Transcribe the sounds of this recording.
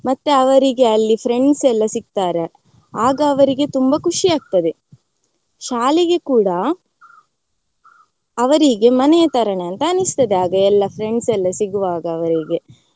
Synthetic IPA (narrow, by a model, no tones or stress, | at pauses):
mɐt̪ːeɐʋɐɾiɡe̞ɐlːipʰɾe̞ɳɖsɛlːɐsiɡ̚t̪aːɾe | aːɡɐːʋɐɾiɡe̞t̪umbɐkuʂiaːɡ̚t̪ɐd̪e̞ | ʃaːliɡe̞kuːɽɐ | ʋɐɾiɡe̞mɐnɛjɐt̪ɐɾɐɳeɐnt̪ɐːnist̪ɐd̪eaːɡɐɛlːɐpʰɾe̞ɳɖsɛlːɐsiɡuʋaːɡɐːʋɐɾiɡe̞